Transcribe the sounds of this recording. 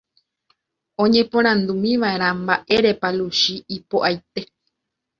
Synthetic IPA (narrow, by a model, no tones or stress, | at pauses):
õɲẽ̞põ̞ɾ̃ãnd̪umĩʋaʔe̞ɾ̃ãmbaʔe̞ɾe̞paluʃiipoʔajt̪e̞